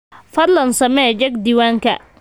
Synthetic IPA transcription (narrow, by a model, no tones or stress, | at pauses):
fɐrlɐnsɐmɛd͡ʒɐɡd̪iːwaːŋkʰɐ̰